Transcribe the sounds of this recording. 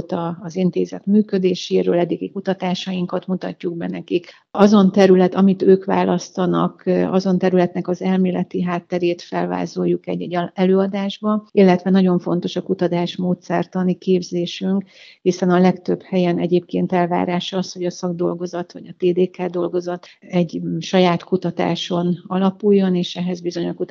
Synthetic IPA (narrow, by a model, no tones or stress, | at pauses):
t̪ɒːzint̪eːzɛ̰t̪myːkø̞d̪eːʃeːɾø̰ːlɛd̪iɡikut̪ɒt̪aːʃɒjiŋkɒt̪mut̪ɒ̰cːuɡ̚bɛnɛkik | ɒzo̞nt̪ɛɾylɛt̪ɒmit̪øːkʋa̰ːlʔɒst̪ɒnɒ̰kɒzo̞nt̪ɛɾylɛt̪nɛkɒzɛlmeːlɛt̪iɦaːt̪ːɛɾeːt̪fɛlva̰ːzojːukɛ̰ɟːɛɟːɛløːɒd̪aːʒbɒilːɛt̪ʋɛnɒɟo̞ɱfo̞nt̪o̞ʃɒkut̪ɒt̪aːʃmoːt̪sɛrt̪ɒnːikeːbzeːʃyŋkhisɛnɒlɛkt̪ø̞bhɛjɛnɛɟeːp̚keːnt̪ɛlva̰ːɾaːʃɒɒsho̞ɟɒsɒɡd̪o̞lɡo̞zɒt̪ʋɒ̰ɟɒt̪eːd̪eːkaːd̪o̞lɡo̞zɒt̪ɛɟʃɒjaːt̪kut̪ɒt̪a̰ːʃo̞nɒlɒpujːo̞neːʃɛɦɛzbizo̞ɲoku